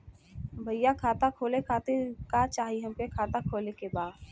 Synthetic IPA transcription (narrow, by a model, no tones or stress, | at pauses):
bʱəjjakʰaːt̪akʰoːlekʰaːt̪ekat͡ʃaːɦiɦɐmkekʰaːt̪akʰoːlekebaːd̪